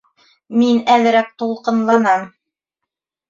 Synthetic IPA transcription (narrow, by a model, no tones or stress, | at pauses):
minæðɘ̆ɾæk̚t̪ulˠqɤ̆nlˠɑnɤm